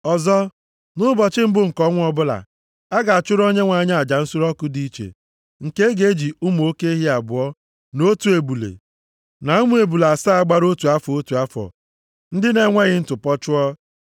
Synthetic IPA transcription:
ɔ˨zɔ˦ | nʊ˦bɔ˨t͡ʃɪ˦m̩˦bʊ˦ŋ̩˨kɔ˦ŋʷ˦ɔ˦bʊ˦la̰˨ | a˦ɡa˨a˨t͡ʃʊ˦ɾo˦ɲe˦ŋʷa˨ɲ˦a˨d͡ʒa˨n̩˦sʊ˦ɾɔ˦kʊ˦di˦t͡ʃḛ˨ | ŋ̩˨ke˦ɡe˦d͡ʒi˨ʊ˦m˨o˦ke˦i˦ɦi˦a˨bʊ˨˦ɔ˦ | no˦tu˨e˨bu˨lḛ˨ | na˨u˦mu˦e˨bu˨la˨sa˦a˦˨ɡ͡ba˦ɾo˦tu˨a˦fɔ˨o˦tu˨a˦fɔ̰˨ | n̩˦dɪ˦ne˨ŋʷe˦ɣɪ˦n̩˦tʊ˨pɔ˦t͡ʃʊ˦ɔ˦

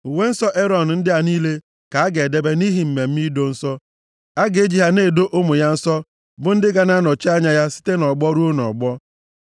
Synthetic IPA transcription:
u˨we˦n̩˦sɔ˦ʔe˦ɾɔ˨n̩˨n̩˦dɪ˦a˦niː˦le˦ | ka˨a˦ɡe˨e˨de˦be˦ni˦ɦi˨m̩˨me˨m̩˦mi˦do˦n̩˦sɔ˦ | a˦ɡe˦d͡ʒi˦ɦa˦ne˦˨do˦ʔo˦mʊ˨ja˦n̩˦sɔ˦ | bʊ˨n̩˦dɪ˦ɡa˦na˦nɔ˨t͡ʃi˦a˦ɲa˦ja˦si̥˦te˦nɔ˨ɡ͡bɔ˦ɾu˦o˦nɔ̰˨ɡ͡bɔ˦

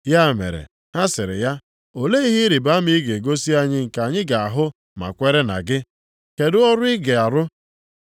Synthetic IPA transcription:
ja˦˨mḛ˨ɾḛ˨ | ha˦sɪ˨ɾɪ̰˨ja˦ | o˨le˦i˦ɦi˦ɾi˨ba˨˦m̩i˦i˦ɡe˨ɡo˦si˦a˦ɲɪ˦ŋ̩˨ka˨ɲɪ˦ɡa˨a˨ɦʊ˦ | ma̰˨kʷe˦ɾe˦na̰˨ɡɪ˦ | ke˨dʊ˦ɔ˦ɾʊ˦ɪ˦ɡe˨a˨ɾʊ˦

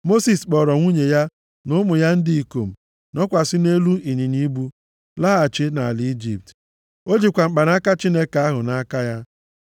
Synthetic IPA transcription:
mo˦si˨sk͡pɔ˨ɾɔ˨ŋʷu˦ɲe˨ja˦ | nʊ˦mʊ˨ja˦n̩˦dɪ˦i˨ko˨m̩˨ | nɔ˦kʷa˨sɪ˦ne˦lu˦i˨ɲi˨ni˦bu˦ | la˦a˨t͡ʃɪ˦na˨a˨li˦i˦d͡ʒi˨p̚t | o˦d͡ʒi˨kʷa˨ŋ͡m̩˨k͡pa˨n˦a˦ka˦t͡ʃi˦ne˦ka˦ɦʊ˨na˦ka˦ja˦

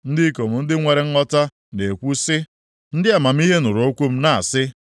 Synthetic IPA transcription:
n̩˦dɪ˦ko˨m̩˨n̩˦dɪ˦ŋʷe˨ɾe˦ŋ̩˦ŋɔ˦ta˦ | ne˨kʷu˦sɪ˦ | n̩˦dɪ˦a˨ma˨m̩˦i˦ɦe˦nʊ˨ɾo˦kʷu˦m̩˦na˨a˨sɪ˦

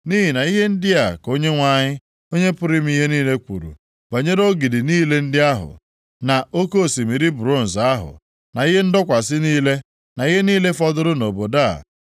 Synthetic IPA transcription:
ni˦ɦi˨na˨i˦ɦe˦n̩˦dɪ˦a˨ko˦ɲe˦ŋʷa˦˨ɲɪ˦ | o˦ɲe˦pʊ˦ɾɪ˦m̩˦i˦ɦe˦niː˦le˦kʷṵ˨ɾṵ˨ | ba˨ɲe˦ɾo˦ɡi˨dɪ˨niː˦le˦n̩˦dɪ˦a˦ɦʊ̰˨ | na˨o˦ko˦˨si˨mi˨ɾi˦bɾo˦˨n̩˨za˦ɦʊ̰˨ | na˨i˦ɦe˦n̩˦dɔ˦kʷa˨s̬ɪ˦niː˦le˦ | na˨i˦ɦe˦niː˦le˦fɔ˦dʊ˦ɾʊ˦no˨bo˨da˦˨

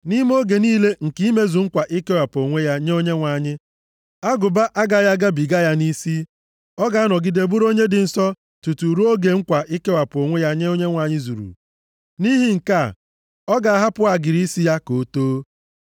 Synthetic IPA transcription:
ni˦m˦o˦ɡe˨niː˦le˦ŋ̩˨ki˦me˦zu˨ŋ̩˦kʷa˨ʔi˦ke˦wa˨po˨ŋʷe˦ja˦ɲe˦o˦ɲe˦ŋʷa˨ɲɪ˦ | a˦ɡʊ˨ba˦ʔa˦ɡa˨ja˦ɡa˦bi˨ɡa˦ja˦ni˦si˦ | ɔ˦ɡa˨a˦nɔ˨ɡɪ˦de˨bu˦ɾo˦ɲe˦dɪ˨n̩˨sɔ˦ | tu˨tu˨ɾu˦o˦ɡe˨ŋ̩˦kʷa˨ʔi˦ke˦wa˨po˨ŋʷe˦ja˦ɲe˦o˦ɲe˦ŋʷa˨ɲɪ˦zṵ˨ɾṵ˨ | ni˦ɦi˦ŋ̩˨ka˦˨ | ɔ˦ɡa˨a˨ɦa˦pʊ˦a˨ɡɪ˨ɾi˦si˦ja˦ko˨˦toː˦

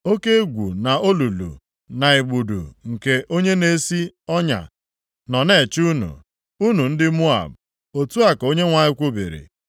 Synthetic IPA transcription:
o˦ke˦ɡʷṵ˨na˨o˦lu˨lṵ˨ | na˨i˨ɡ͡bu˨dṵ˨ŋ̩˨ke˨ʔo˦ɲe˦ne˨˦si˦ɔ˦ɲa̰˨ | nɔ˨ne˨t͡ʃu˦nṵ˨ | u˦nu˨n̩˦dɪ˦mu˦a̰˨b | o˨tu˦a˨ko˦ɲe˦ŋʷa˨ɲɪ˦kʷu˦bḛ˨ɾḭ˨

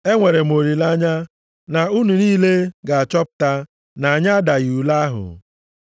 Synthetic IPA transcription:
e˦ŋʷe˨ɾe˨m˨o˨ɾi˨la˦ɲa˦ | na˨u˦nu˨niː˦le˦ɡa˨a˨t͡ʃɔ˦p̚ʊ̥˨ta˦ | na˨a˨ɲa˦a˦da˨ɣu˨la˦a˦ɦʊ̰˨

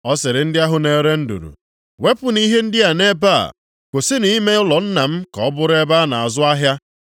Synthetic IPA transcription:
ɔ˦sɪ˨ɾɪ˨n̩˦dɪ˦a˦ɦʊ˨ne˨ɾe˦n̩˦dṵ˨ɾṵ˨ | we˦pʊ˨ni˦ɦe˦n̩˦dɪ˦a˨ne˦ba̰˦˨ | kʷo˨sɪ˦ni˦me˦ʊ˦lɔ˨n̩˦na˨m̩˦kɔ˨˦bʊ˦ɾe˦ba˦na˨a˨zʊ˦a˦ɦja˦

